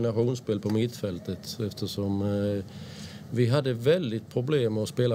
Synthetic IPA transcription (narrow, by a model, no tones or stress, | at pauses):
nɑʂuːnspeːlpʰɔmɪt̪fɛlt̪ət̪ɛft̪ʰəsɔm | ʋɪɦɑd̪ːəʋɛld̪ɪt̪̚pʰɾʊbleːmɛɔspeːla